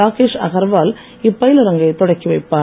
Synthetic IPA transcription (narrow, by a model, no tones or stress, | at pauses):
aːkeːʂɐ̰ɣɐɾʋaːl | ɪpːɐjɪlɐɾɐŋɡɐɪt̪ɔɽɐkːiʋɐɪpːaː